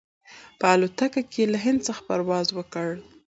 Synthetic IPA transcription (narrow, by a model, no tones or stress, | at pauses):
pəalot̪akakeelaɦɪnd̪̚t͡səxḁpa̰ɾwɑzwəkəɽ